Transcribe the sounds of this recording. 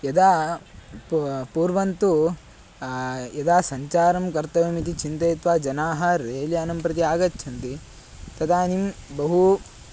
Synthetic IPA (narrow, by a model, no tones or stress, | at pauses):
jɐd̪aː | puːɾʋɐnt̪u | jɐd̪aːsɐɲt͡ʃaːɾɐmkɐɾt̪ɐʋɐmit̪̬it͡ʃint̪ɐjt̪ʋaːd͡ʒɐnaːɦɐɾeːljɐɐnɐmpɾɐt̪̬iaːɡɐt͡ʃːt͡ʃʰɐnt̪i | t̪ɐt̪ʰaːnimbɐɦu